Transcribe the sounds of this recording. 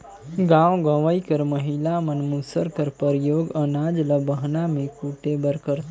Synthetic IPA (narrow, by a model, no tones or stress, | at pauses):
ɡãwɡəʋəikəɾməɦilamənmusəɾkəɾpəɾjoːɡənad͡ʒləbəɦnamẽkuʈebəɾkəɾ